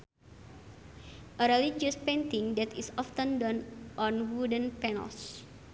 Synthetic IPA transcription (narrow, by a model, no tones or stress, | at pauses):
ʔəɾɛlid͡ʒuspẽnt̪ĩŋdɛt̪isɔft̪ə̃ndɔnʔɔnwudə̃npɛnə̰ls